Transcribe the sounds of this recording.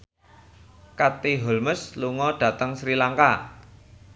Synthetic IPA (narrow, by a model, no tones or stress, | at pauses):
kat̪iɦolməsluŋɔɖ̥ä̤t̪əŋsɾilaŋka